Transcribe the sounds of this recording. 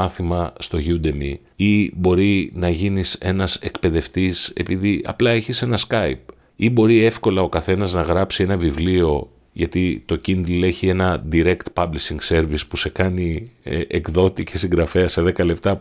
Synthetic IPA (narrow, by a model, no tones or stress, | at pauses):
ɐθimɐst̪o̞ʝud̪e̞mi | ibo̞ɾinɐʝinise̞nɐse̞kpe̞ðe̞ft̪ise̞piðiɐ̰plɐe̞çise̞nɐskɐip̚ | ibo̞ɾie̞fko̞lɐo̞kɐθe̞nɐznɐɣɾɐpsie̞nɐvivlio̞ | ʝɐt̪it̪o̞cind̪ile̞çie̞nɐd̪iɾe̞kt̪pɐblisiŋɡse̞ɾvispuse̞kɐniʔekðo̞t̪icʰesiŋɡɾɐfe̞ɐse̞ðe̞kɐle̞p̚t̪ɐ